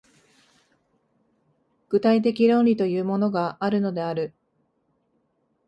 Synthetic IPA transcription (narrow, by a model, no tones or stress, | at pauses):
ɡ̥ɯ̟t̪ait̪̬e̞kʲiɾõ̞nɾʲit̪o̞jɯ̟ːmo̞no̞ɡaʔaɾɯno̞d̪e̞aɾɯ̟